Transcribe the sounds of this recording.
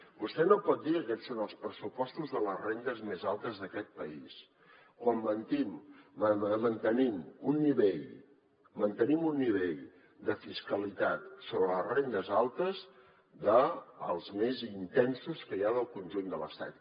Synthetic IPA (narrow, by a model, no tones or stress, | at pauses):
bust̪ɛnopɔt̪̚d̪iəkɛt̪sonəlˠspɾəsupɔst̪uzðələzrend̪əzmezalˠt̪əzðəkɛt̪̚pəḭs | kwamːənt̪iməəmənt̪ənimunːiβeʎ | mənt̪ənimunːiβ̞eʎ | d̪əfiskəlit̪at̪soβɾələrend̪əzalˠt̪əz | ðəːlˠzmezint̪ɛnsuskəjaðəlˠkunʲʒund̪ələ̰st̪a̰t̪̚